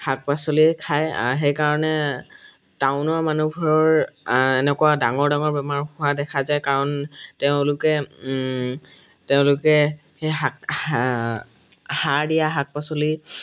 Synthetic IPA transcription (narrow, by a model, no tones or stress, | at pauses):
hak̚pasolikʰaja̰ɦejkaɹɔnɛ | tawʊnɔmanubʱɔɹɔɹɛnɛkʊwadaŋɔɹdaŋɔɹbɛmaɹhʊadɛkʰazajkaɹɔnteʊ̃lʊkɛ | teʊ̃lʊkɛ | heɦa | hadijaɦak̚pasoli